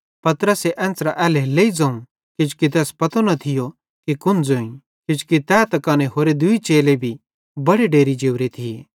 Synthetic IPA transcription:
pɐt̪ɾəseʔɛ̃ːnsɾaʔɛːleleːid͡zãːũ | kɪd͡ʒʊ̥kit̪̬ɛːspɐt̪onɐt̪ʰɪjo | kikʊ̃nd͡zoːĩ | kɪd͡ʒu̥kit̪ɛːt̪ɐkaːneɦoːɾed̪ʊit͡ʃeːlebʱi | bɐɽeɖeːɾid͡ʒeːʋɾet̪ʰiḛː

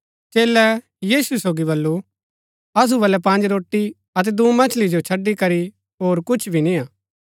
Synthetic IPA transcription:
t͡ʃeːlɛ | jiːsusoːɡibɐlːu | ɐs̬ubɐlɛpɐ̃ːnd͡ʒɾoːʈːi | ɐt̪̬ɛd̪umɐ̃t͡ʃʰlid͡ʒot͡ʃʰɐɖːikɐɾi | ɦoːɾkʊt͡ʃʰbʱinĩaː

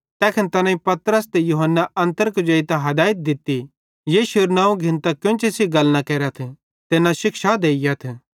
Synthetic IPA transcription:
t̪ɛːkʰɪnt̪ɐnãĩpɐt̪ɾəst̪ejʊɦənːaʔɐ̃nt̪əɾkd͡ʒɐit̪aɦɐd̪aːɪt̪̚d̪ɪt̪ːi | jeːʃeɾnãːũɡʱɪ̃nt̪akjõnt͡ʃʰesiɡɐlnakɛːɾat̪ʰ | t̪ɪnãʃɪkʃad̪eːɪjat̪ʰ

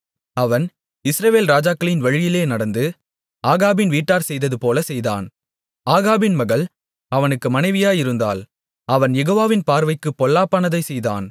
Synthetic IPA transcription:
ɐʋɐn | ɪsɾɐʋeːlɾaːd͡ʒaːkːɐɭɪnʋɐɻɪjɪleːnɐɽɐnd̪ɯ | aːɣaːbɪnʋiːʈːaːɾsɛjðɐðɯpoːlɐsɛjða̰ːn | aːɣaːbɪnmɐɣɐɭ | ɐʋɐnɯkːɯmɐnɐɪʋɪjaːjɪɾɯnd̪a̰ːl | ɐʋɐnjɛɣoːʋaːʋɪnpaːɾʋɐɪkːɯpːɔlːaːpːaːnɐðɐɪsɛjða̰ːn

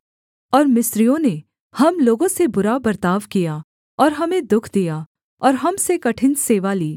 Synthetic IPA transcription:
ɔːɾmɪsɾijõne | hɐmloːɡõsebʊɾabɐɾt̪aːʋkija | ɔːɾɦɐmẽd̪ʊkʰd̪ija | ɔːɾɦɐmsekɐʈʰɪ̃nseːʋaliː

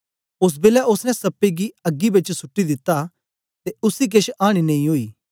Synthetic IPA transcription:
ʊs̬beːlɛʔʊsnɛ̃sɐpːiɡiɐɡːibɪt͡ʃsʊʈːid̪ɪt̪ːa | t̪eʊsik̬eʃaːɽ̃inɐ̃ĩɦoːiː

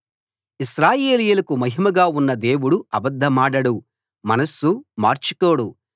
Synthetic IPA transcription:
iʃɾaːjeːlijɐlɐkumɐɦimɐɡaːunːɐd̪e̞ːwuɽuɐbɐd̪ʱːɐmaːɽɐɽu | mɐnɐsːuma̰ːɾt͡ʃikoːɽu

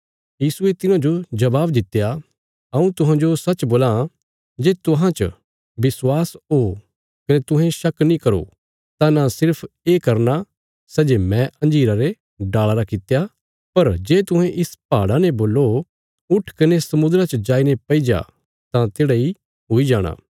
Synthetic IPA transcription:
jiːsuet̪ɪnãd͡ʒod͡ʒɐbaːbd̪ɪt̪ːja | ɐũt̪ʊɦãd͡ʒosɐtːt͡ʃboːlã | d͡ʒeːt̪ʊɦãt͡ʃə̰ | bɪswaːsɦoː | kɐnet̪ʊɦɛ̃ʃɐknĩkɐɾo̰ | t̪ãnasɪɾpʰeːkɐɾna | sɛːd͡ʒemɛ̃ɐ̃nd͡ʒiːɾaɾe | ɖaːɭaɾakɪt̪ja | pɐɾd͡ʒeːt̪ʊɦɛ̃ʔɪspa̰ːɽaneboːlːo | ʊʈʰkɐnesɐmʊd̪ɾat͡ʃəd͡ʒaːinepɐid͡ʒa̰ | t̪ãt̪eːɽai | ɦoid͡ʒaːɽ̃a̰ː

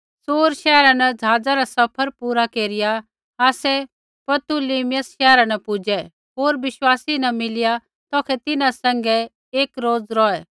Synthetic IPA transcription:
soːɾʃɛːɾãnɛd͡zʱaːd͡zaɾasɐpʰəɾpuːɾakeːɾɪja | aːsɛ | pɐt̪uliːmɪjəsʃɛːɾanɛpʊd͡ʒɛ | ɦoːɾbɪʃwaːsinɐmɪlɪja | t̪ɔːkʰɛt̪ɪnãsɛ̃ŋɡɛ | eːkɾoːd͡zɾɔɛ

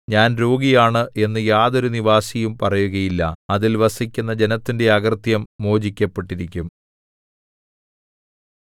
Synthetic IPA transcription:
ɲaːnɾo̞ːɡijaːɳɨʔe̞nːɨjaːðo̞ɾuniʋaːsijumpɐrɐjuɣɐjilːɐɐðilʋɐsikʲːunːɐd͡ʑe̞nɐt̪ːinde̞ɐɣɐrt̪jɐmːo̞ːd͡ʑikʲːɐpːe̞ʈːiɾikʲːum

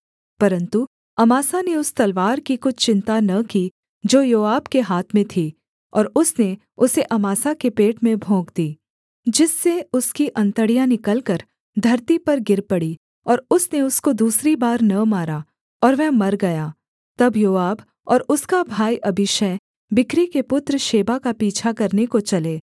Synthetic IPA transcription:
pɐɾə̃nt̪u | ɐmaːsaneʊst̪ɐlʋaːɾkikʊt͡ʃʰt͡ʃɪ̃nt̪anɐki | d͡ʒoːjoːaːbkeɦaːt̪ʰmẽt̪ʰiː | ɔːɾʊsne | ʊseʔɐmaːsakepeːʈmẽbʱõːɡd̪iː | d͡ʒɪsːeʊskiʔɐ̃nt̪əɽijãnɪkəlkəɾ | d̪ʱɐɾt̪ipɐɾɡɪɾpɐɽi | ɔːɾʊsneʊskod̪uːsɾibaːɾnɐmaːɾa | ɔːɾʋɛɦmɐɾɡɐjaː | t̪ɐbjoːaːb | ɔːɾʊskabʱaːjʔɐbɪʃɛ | bɪkɾikepʊt̪ɾəʃeːbakapiːt͡ʃʰakɐɾnekot͡ʃɐleː

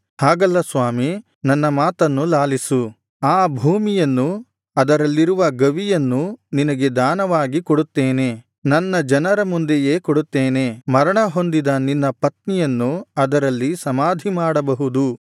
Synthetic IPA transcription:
haːɡɐlːɐsʋaːmi | nɐnːɐmaːt̪ɐnːulaːlisu | aːbʱuːmijɐnːu | ɐd̪ɐɾɐlːiɾuʋɐɡɐʋijɐnːuninɐɡe̞d̪aːnɐʋaːɡikoɽut̪ːeːne̞ | nɐnːɐd͡ʒɐnɐɾɐmund̪eje̞ːkoɽut̪ːeːne̞mɐɾɐɳɐɦo̞nd̪id̪ɐninːɐpɐt̪̚nijɐnːuɐd̪ɐɾɐlːisɐmaːd̪ʱimaːɽɐbɐɦud̪u

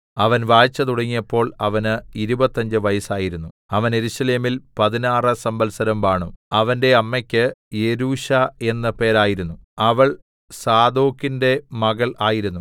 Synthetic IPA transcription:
ɐʋɐnʋaːt͡ɕːɐt̪uɽɐŋːijɐpːo̞ːɭɐʋɐnɨiɾubɐt̪ːɐɲd͡ʑɨʋɐjɐsaːjiɾunːu | ɐʋɐne̞ɾuɕɐle̞ːmilpɐðinaːrɨsɐmbɐlsɐɾɐmʋaːɳuɐʋɐnde̞ɐmːekʲːɨjeɾuːɕae̞nːɐpe̞ːɾaːjiɾunːuɐʋɐɭ | saːd̪o̞ːkːinde̞mɐɣɐɭaːjiɾunːu

